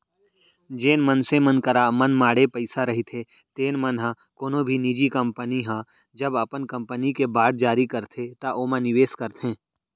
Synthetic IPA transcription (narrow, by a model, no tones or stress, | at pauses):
d͡ʒeːnmənsemənkɐɾamənmaːɽepəɪsaɾɐɦit̪ʰe | t̪eːnmənɦã | koːnõbʱinid͡ʒikɐ̃mpəniɦãː | d͡ʒɐbɐpənkɐ̃mpənikebaːɽ̚d͡ʒaːɾikɐɾt̪ʰet̪aʔoːmãnɪʋeːskɐɾt̪ʰẽː